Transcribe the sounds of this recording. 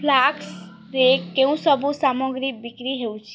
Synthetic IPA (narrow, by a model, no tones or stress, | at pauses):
pʰlaks | ɾekeũsəbusamɔɡɾibikɾiɦeut͡ʃʰi